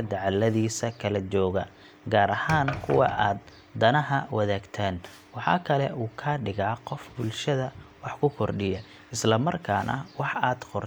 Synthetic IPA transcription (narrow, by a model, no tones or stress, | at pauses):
ɐd̪ɐʕɑlːɐðiːsɐkʰɐlɐt͡ʃɔːɣɐ̰ | ɡaːɾɐhaːnkʰʊwɑ̰ʔaːd̪̚ː | ɐnɐɦɐwɑðaːɡt̪ʰaːn | wɑħɑ̰ːkʰɐlɛʔuːkʰaːɖɪɣaːqɔfbʊlʃɐðɐwɑħkʰʊkʰɔrɖɪjɐ | ɪslɐmɐrkʰaːnʔɐ̰wɑħaːd̪̥qɔr